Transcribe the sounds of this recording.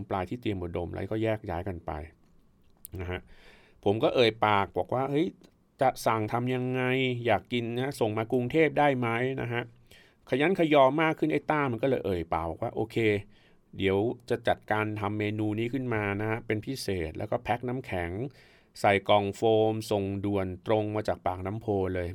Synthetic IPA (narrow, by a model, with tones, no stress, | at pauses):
mplaː˧jt̪ʰiː˥˩t̪i˧əmʔu˨˩do˧mlʔa̰˧˦˥jkɔː˥˩jɛː˥˩k̚ja̰ː˦˥jka˧npa̰˧j | na˦˥ha˦˥ʔ | pʰo˩˦mkɔː˥˩ʔɤː˨˩jpaː˨˩k̚bɔː˨˩k̚waː˥˩hɤ˦˥j | t͡ɕa˨˩ʔsa˨˩ŋt̪ʰa˧mja˧ŋːa˧jjaː˨˩kːi˧nːa˦a˦˥so˨˩ŋmaː˧ku˧ŋt̪ʰeː˥˩p̚daː˥˩jma˦˥jna̰˦˥ɦa˦˥ʔ | kʰa˧˩ja˦˥nkʰa˧jɔː˧mːaː˥˩kʰːɯ˥˩nʔa˧˥˩jt̪aː˥˩ma˧nkɔː˥˩lɤː˧jʔɤː˨˩jpaː˨˩k̚bɔː˨˩kwaː˥˩ʔoː˧kʰeː˧ | di˨˩˦əwt͡ɕa˨˩ʔt͡ɕa˨˩t̪̚kaː˧nt̪ʰa˧mːeː˧nuː˧niː˦˥kʰɯ˥˩nmaː˧na˦˥ha˦˥pe˧npʰi˦˥seː˨˩t̪̚lɛ̰˦˥wkɔː˥˩pʰɛ˦˥k̚na˦˥mkʰɛ˩˦ŋ | sa˨˩jkɔː˨˩ŋfoː˧mso˨˩ŋdu˨˩ənt̪ɾo˧ŋmaː˧t͡ɕaː˨˩k̚paː˨˩k̚na˦˥mpʰoː˧lɤː˧j